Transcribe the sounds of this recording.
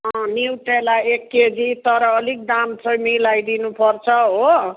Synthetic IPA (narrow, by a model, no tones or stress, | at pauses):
ɦʌ̃niwʈelaekːed͡zit̪ʌɾʌːlik̚d̪amsʌjmilajd̪inupʌrt͡sʰʌɦo